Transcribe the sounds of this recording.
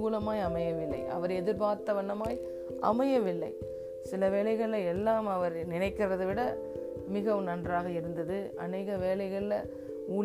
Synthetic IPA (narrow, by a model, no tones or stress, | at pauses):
kuːlɐmaːjɐmɐjɐʋɪlːɐ̰ɪʔɐ̰ʋɐɾɛðɪɾbaːɾt̪ːɐʋɐnːɐmaːj | ʔɐ̰mɐjɐʋɪlːɐɪ | sɪlɐʋeːlɐɪɣɐɭlɐɛlːaːmɐʋɐɾnɪnɐɪkːɪrɐðɯʋɪɽɐ | mɪɣɐʋɯnɐndraːɣɐɪɾɯnd̪ɐðɯ | ɐ̰neːɣɐʋeːlɐɪɣɐɭɪlɐ | uː